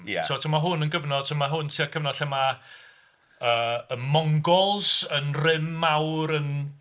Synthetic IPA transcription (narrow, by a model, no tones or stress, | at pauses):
m̰tʰoɔtʰamaɦʊnənɡəvnɔd̥̚tʰəmaɦʊntʰiakʰəvnɔd̥ɬɛma | əːənmɔŋɡɔlˠsənrɪmːawɾən